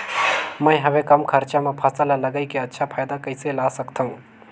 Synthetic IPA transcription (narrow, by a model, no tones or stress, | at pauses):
mə̃j̃ɦɐʋekɐmkʰəɾt͡ʃamẽpʰasəlaləɡəikeətːʃʰapʰaːjd̪akəɪselaːsəkt̪ʰɐɦũ